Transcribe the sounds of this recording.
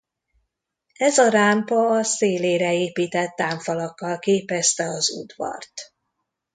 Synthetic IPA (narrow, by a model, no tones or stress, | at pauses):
ɛzɒɾampɒːseːleːɾɛeːpiːt̪ɛt̪ːaːɱfɒlɒkːɒlkeːpɛst̪ɛɒzṵd̪vɒ̰rt̪